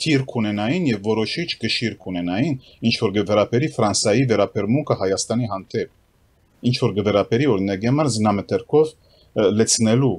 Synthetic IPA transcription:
t̪ʰiɾkʰunɛnɑjinjɛvːɔɾɔʃit͡ʃʰɡəʃiɾkʰunɛnɑjin | int͡ʃʰvɔɾɡəvɛɾɑbɛɾifɾɑnsɑjivɛɾɑbɛɾmuŋkʰəhɑjɑst̪ɑniɦɑnd̪ɛp̚ | int͡ʃʰvɔɾɡəvɛɾɑbɛɾiɔɾinɑɡɛmɑɾznɑmət̪ʰɛɾkʰɔv | lɛt͡sʰnɛlu

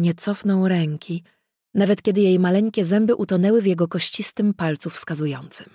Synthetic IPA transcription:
ɲɛt̪sɔfnɔwɾɛŋkʲi | navɛt̪kʲɛd̪ɘjejmalɛŋkʲɛzɛmbɘʔut̪ɔnɛwɘvjɛɡɔkɔɕt͡ɕist̪ɘmpalt̪sufskazujɔnt̪sɘ̥m

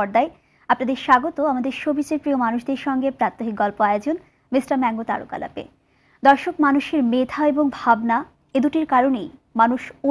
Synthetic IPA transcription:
ɔɾd̪ae | apnad̪eɾʃaɡot̪oamad̪eɾʃobʱit͡ɕeɾpɾiomanuʃd̪eɾʃɔŋɡepɾat̪ːoɦik̚ɡɔlpoaod͡ʑon | misʈaɾmɛŋɡot̪a̰ɾo̰ka̰la̰pḛ | d̪ɔɾʃokmanuʃeɾmed̪ʰaeboŋbʱabna | ed̪uʈiɾkaɾonej | manuʃo

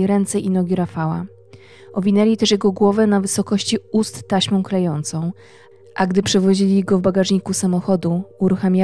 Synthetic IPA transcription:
ɾɛnt̪sɛʔinɔɡʲiɾafawa̰ | ɔvʲinɛlʲit̪ɛʂjɛɡɔɡwɔvɛnavɘsɔkɔɕt͡ɕiust̪ːaɕmɔ̃w̃klɛjɔnt̪sɔ̃w̃ | ʔaɡd̪ɘpʂɛvɔʑilʲiɡɔvbaɡaʐɲikusamɔxɔd̪uuɾuxamʲa

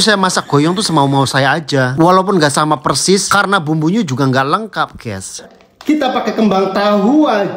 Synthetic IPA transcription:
sajamasak̚ɡ̥o̤jɔŋt̪usəmaumausajaːd͡ʒawalaup̬ʊnŋɡaʔsamapərsɪskaɾənabumbuɲud͡ʒuɡaŋɡaʔləŋkap̚ɡ̥ɛ̰s | kit̪apakekəmbaŋt̪aɦua

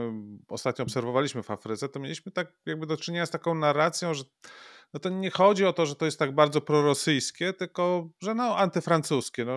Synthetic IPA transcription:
ɔst̪at̪̚ɲɔːpsɛɾvɔvalʲiɕmɘvafɾɘt̪sɛt̪ɔmʲelʲiɕmɘt̪ak̚jaɡ̚bɘd̪ɔt͡ʂɘɲeɲast̪akɔ̃w̃naɾːat̪sʲjɔ̃w̃ʐɛ | nɔt̪ɔɲɛxɔd͡ʑiɔt̪ɔʐɛt̪ɔjɛst̪ːaɡ̚baɾd̪zɔpɾɔɾɔsɘjskʲɛt̪ɘlkɔʐɛnɔʔant̪ɘfɾant̪suskʲɛnɔ

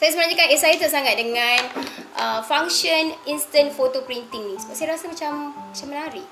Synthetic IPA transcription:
sajasəmənãɲd͡ʒikanesajit̪əsaŋat̪̚dəŋãnʔəfaŋʃəninst̪ənfot̪opɾint̪iŋnĩsubaʔsajaɾasamat͡ʃammat͡ʃamənaɾi

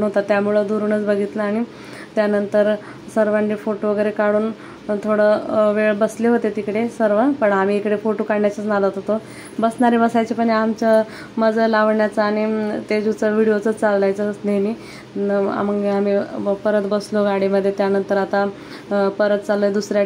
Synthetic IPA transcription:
nɦot̪at̪jamuɭəd̪uɾuːnət͡sbəɡʱit̪ləaɽ̃i | t̪janənt̪əɾ | səɾʋanːifoʈoʋəɡəjɾekaɽuːn | t̪ʰoɽəʋeɭbəsleɦot̪et̪ikɽesəɾʋəpəɳamiːekɽefoʈokaɽnjat͡sət͡snad̪at̪ɦot̪o | bəsnaɾebəsajt͡ɕepəɳamt͡ɕə | məd͡zʱəlaʋɳjat͡saːɽ̃it̪ed͡ʑut͡səʋiɽijot͡sət͡st͡salːajt͡sənemiː | a̰məŋɡeamipəɾət̪bəsloɡaɽiməd̪ʱːjet̪janənt̪əɾat̪a | pəɾət̪̚t͡salːəd̪usɾja

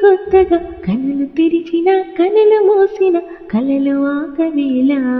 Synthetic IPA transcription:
ɡɔt̪ːɐɡɐkɐnɐlut̪iɾit͡ʃinɐkɐnɐlumoːsinɐ | kɐlɐluʋaːɡɐʋilɐ

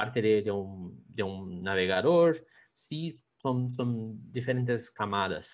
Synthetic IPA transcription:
aɾt̪ɪd̪ɪd̪ɪũd̪eũnaveɣad̪oɾ | si | sõwsõñd̪ifeɾẽnt̪ɪskamad̪ɐ̰s

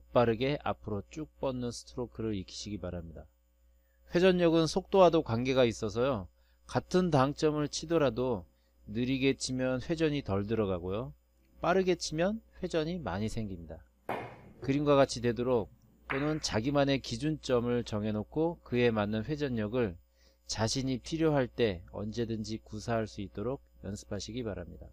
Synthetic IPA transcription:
p͈aɾɯɡe̞ʔa̰pʰɯɾot͡ɕ͈uk̚p͈ʌnːɯnsʰɯ̥tʰɯɾokʰɯɾɯɾikʰi̥ɕʰiɡipaɾamɲida | ɸwe̞d͡ʑʌɲːʌɡɯnsʰok̚t͈oɦadokwaŋɡe̞ɡais͈ʌs̬ʰʌjo | katʰɯntaŋt͡ɕ͈ʌmɯɭt͡ɕʰidʌɾado | nɯɾiɡe̞t͡ɕʰimjʌnɸwe̞d͡ʑʌɲitʌɭdɯɾʌɡaɡojo | p͈aɾɯɡe̞t͡ɕʰimjʌnɸwe̞d͡ʑʌɲima̰ɲisʰe̞ŋɡimɲida | kɯɾinɡwaɡat͡ɕʰidwe̞doɾok̚ | t͈onɯnt͡ɕaɡimane̞kid͡ʑunt͡ɕ͈ʌmɯɭt͡ɕʌŋe̞nokʰokɯe̞manːɯnɸwe̞d͡ʑʌɲːʌɡɯɭ | t͡ɕaɕʰiɲipʰiɾjoɦaɭt͈e̞ʌ̰nd͡ʑe̞dɯnd͡ʑikusʰaɦaɭs͈uit̚t͈oɾoɡ̚jʌnsʰɯ̥pʰaɕʰiɡipaɾamɲida̰

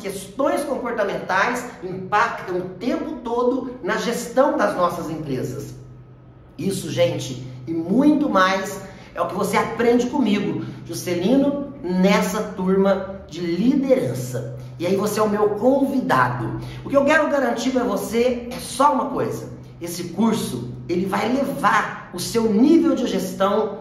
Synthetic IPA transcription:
skest̪õj̃skõmpoɾt̪ɐmẽnt̪ajsĩpakt̪ɐ̃w̃ʊt̪ẽmpʊt̪od̪ʊnɐʒest̪ɐ̃w̃d̪ɐznɔsɐzẽpɾezɐs | isʊʒẽnt͡ʃɪɪmũj̃t̪ʊmajs | ɛʊkɪvoseapɾẽnd͡ʒɪkõmiɡʊʒuselĩnʊnɛsɐt̪uɾmɐd͡ʒɪlid̪eɾɐ̃sɐ | ɪaivoseɛʊmewkõvid̪a̰d̪ʊʊkɪewkɛɾʊɡaɾɐ̃nt͡ʃid̪ʊɛvosesɔũmɐkojzɐ | esɪkuɾsʊ | elɪvajlevaɾ | ʊsewnivewd͡ʒɪʒest̪ɐ̃w̃

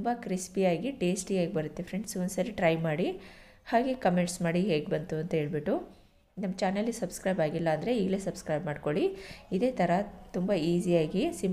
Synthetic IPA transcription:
mbɐkɾispijaːɡiʈeːsʈiaːɡebɐɾut̪ːefʰɾeɳɖsonsɐɾiʈɾɐjmaːɽi | haːɡe̞kɐmeɳʈsmaːɽiɦe̞ːɡbɐnt̪uɐnt̪ɐɦe̞ːɭbiʈːu | nɐmːɐt͡ʃaːnɐlːisɐbskɾɐjbaːɡilːɐːnd̪ɐɾe̞iːɡle̞ːsɐbskɾɐjbmaːɖko̞ɭiid̪e̞ːt̪ʰɐɾɐt̪umbɐiːzijaːɡisim

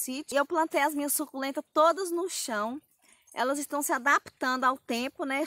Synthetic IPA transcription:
sit͡ʃɪewplɐ̃nt̪ejazmĩɲɐsːukulẽt̪ɐt̪od̪ɐznʊʃɐ̃w̃ | ɛ̰lɐzɪst̪ɐ̃w̃sɪad̪apt̪ɐ̃nd̪ʊawt̪ẽpʊnɛ

